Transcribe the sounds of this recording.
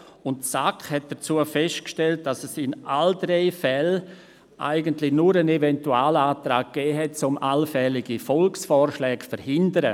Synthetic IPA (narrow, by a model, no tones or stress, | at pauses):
ʊntsakχhɛt̚d̥ət͡suːəfɛst̚kʃtɛlt̚d̥asɛsɪnʔaldɾeɪfɛl | ʔa̰ɪɡəntlɪnuɾənevɛntuaːlaːtɾaːk̚ɡ̥ɛːɦɛt̚t͡sʊmʔalfɛlɪɡifɔlksfɔːɾʃlɛːkfəɾhɪndəɾə